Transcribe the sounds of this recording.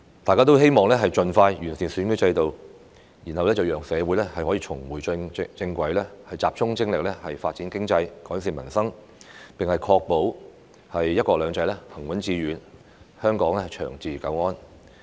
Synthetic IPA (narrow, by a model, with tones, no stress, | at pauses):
t̪aː˨kaː˥t̪o˥whe˥jmɔː˨˩ŋlɛː˥ɦɐ˨jt͡ʃɵ˨nfaː˧jjyː˨˩nsiː˨˩nsyː˨˥nkɵ˥t͡sɐ˧jt̪o˨w | jiː˨˩nhɐ˨wlɛː˥t͡sɐ˨wjœː˨ŋsɛː˨˧wuː˨˥jlɛː˥hɐ˨jhɔː˨˥jiː˨˧t͡ʃʰʊ˨˩ŋwuː˨˩jt͡sɪ˧ŋkʷɐ˨˥jlɛː˥hɐ˨jt͡saː˧p̚t͡sʊ˥ŋt͡sɪ˥ŋlɪ˨k̚lɛː˥hɐ˨jfaː˧t̚t͡si˨˥nkɪ˥ŋt͡sɐ˧jkɔː˨˥s̬iː˨˧mɐ̰˨˩nsɐ˥ŋ | pɪ˨ŋhɐ˨jkʰɔː˧k̚po˨˥w | hɐ˨jːɐ˥t̚kɔː˧klœː˨˧ŋt͡sɐ˧jlɛː˥hɐ˨˩ŋwɐ˨˥nt͡siː˧ɥyː˨˥n | hœː˥ŋkɔː˨˥ŋlɛ˥hɐ˨jt͡ʃʰœ̰ː˨˩ŋt͡siː˨kɐ˨˥wŋɔː˥n